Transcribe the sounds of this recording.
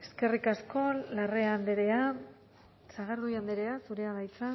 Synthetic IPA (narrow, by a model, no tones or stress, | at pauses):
e̞ske̞rikasko̞lare̞and̪eɾe̞a | saɣaɾðujand̪eɾe̞asuɾe̞aβajt͡sa